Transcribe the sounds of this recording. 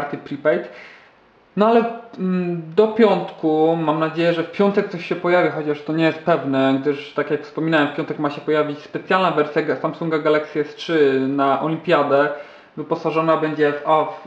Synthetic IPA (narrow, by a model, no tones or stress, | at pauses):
aɾt̪ɘpɾʲipɛjt̪ | nɔalɛ | d̪ɔpʲjɔnt̪kumamnad͡ʑejɛʐɛfpʲjɔnt̪ɛk̚t̪sɔɕɕɛpɔjavʲjaxɔt͡ɕaʂt̪ɔɲɛjɛst̪̚pɛvnɛɡd̪ɘʂt̪akjakfspɔmʲinawɛmfpʲjɔnt̪ɛkmaɕɛpɔjavʲit͡ɕʲspɛt̪sʲjalnavɛɾsʲjaɡsamsuŋɡaɡalaksʲjɛstʂɘnaʔɔlʲimpʲjad̪ɛ | vɘpɔsaʐɔnabɛɲd͡ʑɛvaf